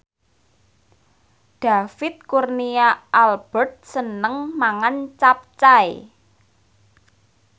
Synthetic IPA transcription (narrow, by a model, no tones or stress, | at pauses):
d̥a̤fɪt̪̚kurniaʔalb̥ərt̪̚sənəŋmaŋant͡ʃap̚t͡ʃaj